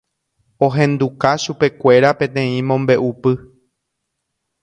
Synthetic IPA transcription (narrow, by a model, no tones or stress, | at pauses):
o̞ɦẽ̞nd̪ukaʃupe̞kʷe̞ɾapẽt̪ẽ̞ĩmõ̞mbe̞ʔupɨ